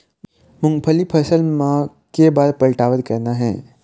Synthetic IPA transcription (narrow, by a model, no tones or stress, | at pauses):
mʊ̃ŋɡpʰəlipʰəsəlmã | kebaːd̪pəlʈaːʋət̪kɐɾnaɦɛ̰̃ː